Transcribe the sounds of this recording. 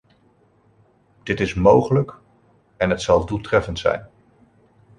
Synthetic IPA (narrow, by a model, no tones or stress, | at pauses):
d̥ɪtɪsmowχələk | ɛnɦətsɑlˠdulˠtrɛfəntsɛ̰jn